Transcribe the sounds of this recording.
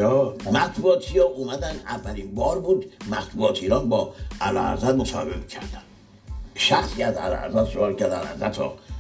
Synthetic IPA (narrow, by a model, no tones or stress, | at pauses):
ɒːmæt̪ʰbuɒːt̪ʰijɒːʔumæd̪ænd̪ævːælinbɒːɾbuːd̪mæt̪ʰbuɒːt̪ʰiːɾɒːnbɒːælɒ̰ːæ̰zæd̪mosɒ̰ːhebemi̥cʰæɾd̪æn | ʃæxsiːæzæ̰lɒ̰æ̰zæd̪soɒːlcʰæɾd̪æ̰n̰æ̰zæt̪ʰɔ̰ː